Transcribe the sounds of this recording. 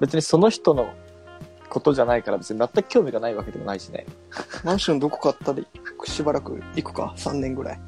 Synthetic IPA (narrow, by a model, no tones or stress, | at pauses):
be̞t͡sɨɲ̟iso̞no̞çi̥t̪o̞no̞ | ko̞t̪o̞ʑanaikaɾabe̞t͡sɨɲ̟imat̪ːakɯ̟̥kʲo̞ːmʲiɡanaiβake̞d̪e̞mo̞̰naiɕinḛ | mãɰ̃ɕõnd̪oko̥kaːt̪ːad̪eikɯ̥ɕibaɾakɯ̟̰ikɯ̟̥ka̰sã̰nːẽ̞ŋɡɯ̟ɾa̰i